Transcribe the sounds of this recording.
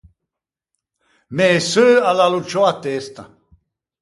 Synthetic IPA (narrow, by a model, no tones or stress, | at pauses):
mɛːsøːalalut͡ʃʰɔat̪ɛːst̪a̰